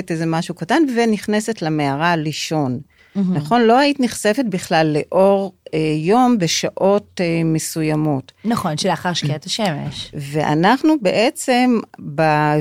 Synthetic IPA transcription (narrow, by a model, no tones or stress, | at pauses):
tezemaʃukatanveniχne̞setlameaʁaliʃo̞n | naχo̞nlo̞aitniχse̞fet̚biχlalːe̞ʔo̞ʁejo̞mbe̞ʃaʔo̞tme̞sujamo̞tnaχonʃelaχaʁʃkeat̪aʃemḛʃve̞ʔa̰naχnubeʔet͡se̞mba